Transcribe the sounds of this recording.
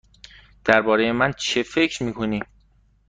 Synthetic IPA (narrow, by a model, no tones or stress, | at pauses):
d̪̥æɾbɒːɾe̞je̞mænt͡ʃʰe̞fe̞cʰɾmiːkʰoniː